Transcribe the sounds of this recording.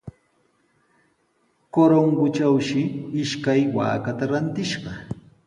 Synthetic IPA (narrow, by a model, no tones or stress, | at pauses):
koɾoŋɡʊt͡ʃawʃɪɪʃkajwa̰ːkat̪aɾant̪ɪʃɢɑ